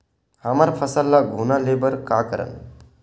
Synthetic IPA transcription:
həmaɾpʰəsəlːaɡʱunalebəɾkakəɾə̰n

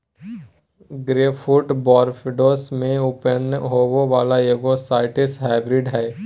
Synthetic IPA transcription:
ɡɾeːfʰuɾʈbɔːɾfɪɖoːsmẽʊpənɦoːwoʋaːlajoːɡosaːɪʈɪsɦaɪbɾɪɖɦɛː

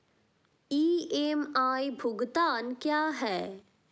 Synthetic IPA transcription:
iːemaːibʱʊɡt̪aːnkjaːɦɛː

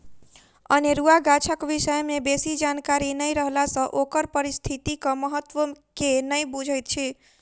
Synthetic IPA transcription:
ə̰neɾuaɡat͡ʃʰəkʋisəjmebesid͡ʒankaɾinəjɾəɦlasə̃ʔokəɾpəɾist̪ʰit̪ikəməɦət̪ːwəkenəjbud͡ʒʱəjt̪̚t͡ʃʰi

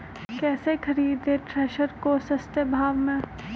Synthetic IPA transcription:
kɛːsekʰɐɾiːd̪eʈɾɛːʃəɾkosɐst̪jəbʱaːʋmẽ

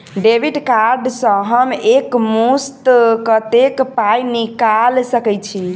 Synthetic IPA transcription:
ɖebʱiɖkaɾɖsə̃ɦəmekmust̪kət̪ekpajnikalsəkɛt͡ʃʰi

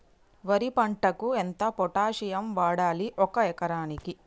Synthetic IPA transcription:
ʋɐɾipɐɳʈɐkuent̪ɐpɔʈaːʂijɐmʋaːɽaːliʔɔkɐɛkɐɾaːniki

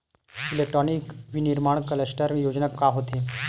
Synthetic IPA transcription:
ilek̚ʈɾɔnikʋiniɾmaɳkəlesʈəɾjod͡ʑnakaɦot̪e

